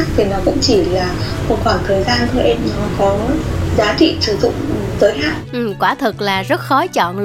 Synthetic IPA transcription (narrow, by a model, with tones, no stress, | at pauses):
k̚t̪ʰi˨˩nɔ˨˦kʊ̰˧˥ŋ͡mt͡ɕi˧˩laː˨˩ko˧˩kwaː˧˩t̪əː˨˩jzaː˧nt̪ʰɨː˧ʔɛ˧mɲɔ˨˦kɔ˨˦zaː˨˦t͡ɕḭ˧˨sɨ˧˩zʊ̰˧˨ŋ͡mzəː˨˦jɦaː˦˥k̚ʔɨ˨˩mkwaː˧˩t̪ʰɨ˨˩k̚laː˨˩zə˦˥t̚xɔ˨˦t͡ɕɔ̰˧˨nl